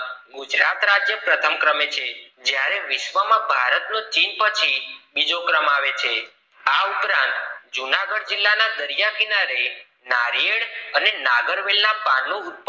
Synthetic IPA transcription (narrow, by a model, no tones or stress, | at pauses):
ɡʊd͡ʒɾat̪ɾad͡ʒjəpɾət̪ʰəmkɾəmet͡ʃʰe | d͡ʒjaɾeʋɪʃʋəmãbʱaɾət̪not͡ʃinpət͡ʃʰibid͡ʒokɾəmaʋet͡ʃʰe | aupɾãnt̪d͡ʒunaɡəɽd͡ʒilːanad̪əɾjakinaɾe | naɾijeɽənenaɡəɾʋelnapanːoːt̪̚p